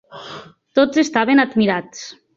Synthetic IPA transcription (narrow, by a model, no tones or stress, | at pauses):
t̪ozest̪aβenad̪miɾat͡s